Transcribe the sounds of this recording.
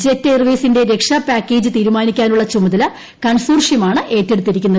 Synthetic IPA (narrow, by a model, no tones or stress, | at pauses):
d͡ʑetːerʋeːsinde̞ɾe̞kʂɐpaːkʲːe̞ːd͡ʑɨt̪iːɾumaːnikʲːaːnuɭːɐt͡ɕumɐðɐlɐ | kɐɳsuːrʂjɐmaːɳɨʔe̞ːtːe̞ɽut̪ːiɾikʲːunːɐ